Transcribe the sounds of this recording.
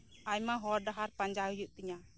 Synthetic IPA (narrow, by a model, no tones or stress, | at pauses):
ajmaɦɔɾdaɦaɾpaɲd͡ʒaɦujuʔt̪iɲa